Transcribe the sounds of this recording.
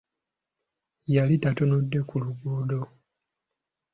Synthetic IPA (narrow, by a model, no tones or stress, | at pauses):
jalitatonodːe̞kuluɡoːdo